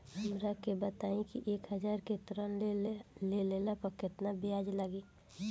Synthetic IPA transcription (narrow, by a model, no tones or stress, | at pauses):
həmɾakebət̪aĩkiʔeːkɦəd͡ʒaːɾket̪ɾənlelelapəkɪt̪nabjad͡ʒləɡiː